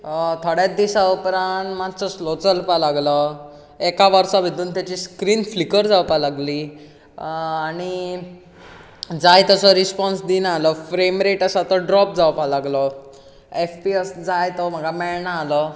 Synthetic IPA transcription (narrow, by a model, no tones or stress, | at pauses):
t̪ʰəɽjad̪isaopɾaɳmat͡sɔslot͡səlpalaɡlɔ | ekaʋaɾsaʋʱid̪uːnt̪jat͡ɕiskɾiːnflikəɾd͡zawpalaɡli | aɽ̃i | d͡zajt̪ɔsɔɾispɔnsd̪inalɔfɾemɾeʈasat̪ɔɖɾɔp̚d͡zawpalaɡlɔ | efpiəsd͡zajt̪ɔm̤əɡamɛɭɳaːlɔ